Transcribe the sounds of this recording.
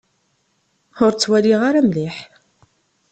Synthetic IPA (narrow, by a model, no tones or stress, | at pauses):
ʊɾt͡sːwæliʁaɾamlɪħ